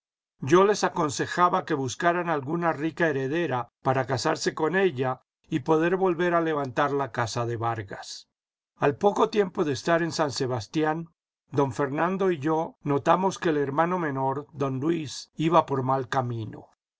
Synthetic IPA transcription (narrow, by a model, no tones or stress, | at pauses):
ɟ͡ʝo̞le̞sako̞nse̞xaβake̞βuskaɾanalɣunarikae̞ɾe̞ðe̞ɾapaɾakasaɾse̞ko̞ne̞ʎa | ipo̞ðe̞ɾβo̞lβe̞ɾale̞βant̪aɾlakasaðe̞βaɾɣas | alpo̞ko̞t̪je̞mpo̞ðeːst̪aɾe̞nsanse̞βast̪jan | d̪o̞ɱfe̞ɾnãnd̪o̞iʝo̞no̞t̪amo̞ske̞ːle̞ɾmano̞mẽ̞no̞ɾd̪o̞nlwisiβapo̞ɾmalkamĩno̰